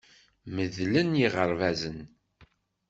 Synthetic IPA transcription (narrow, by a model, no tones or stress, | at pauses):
məðlənjiʁəɾvæzən